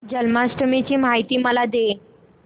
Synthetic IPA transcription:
d͡ʑəlmasʈəmit͡ɕiːmajt̪iːməlad̪e

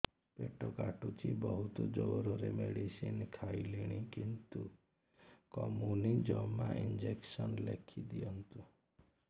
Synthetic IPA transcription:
peʈɔkaʈut͡ʃʰibɔɦut̪ɔd͡ʒoɾɔɾemeɽisinkʰajliɽ̃ikint̪u | kɔmunid͡ʒɔmaʔind͡ʒeksɔnlekʰid̪iɔnt̪u

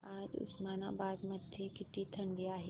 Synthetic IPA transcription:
aːd͡ʒʊ̰smaːna̰baːd̪mɐd̪ʱjekɪʈit̪ʰɐɳɖiaːɦi

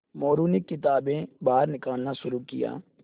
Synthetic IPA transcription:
moːɾuːnɪkːɪt̪aːbẽːbaːɾnɪkaːlnaːʃʊɾuːkɪ̰ja̰ː

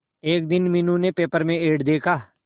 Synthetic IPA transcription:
eːk̚d̪ɪnmɪnũnepeːpəɾmẽeːɖd̪eːkʰaː

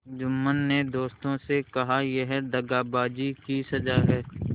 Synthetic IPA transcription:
d͡ʒʊmːənːed̪oːst̪õsekɐɦajeɦɛd̪ɐɡaːbaːd͡ʒikisɐd͡ʒaɦɛː

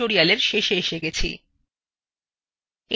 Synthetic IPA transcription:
oɾialeɾʃeʃeeʃeɡet͡ɕʰḭ | e

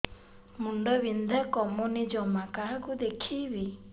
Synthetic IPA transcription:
muɳɖɔbind̪ʱakɔmunid͡ʒɔmakaɦkud̪ekʰibi

